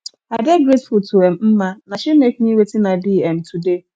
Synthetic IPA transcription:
adeɡɾetfultuɛm̩m̩manaʃimek̚niwetɪnabiːɛm̩tʰude

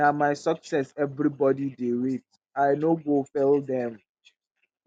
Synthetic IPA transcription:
amaɪsɔksɛsɛvɾibɔdideɹet̚ | aɪnoɡofɛldɛ̃m

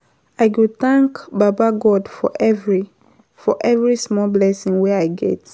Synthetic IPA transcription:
ajɡud̚θãŋkbabaɡɔdfɔvɹi | fɔʔɛvɹismɔlblɛsĩŋwɛajɡɛ̰t

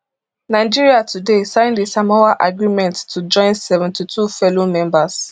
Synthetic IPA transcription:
naɪd͡ʒiɹiatʰudesãɪ̃ndisamawaʔaɡɹimɛ̃ntːud͡ʒɔ̃ɪ̃nsɛvɛ̃ntitʰufɛlomɛ̃mbas

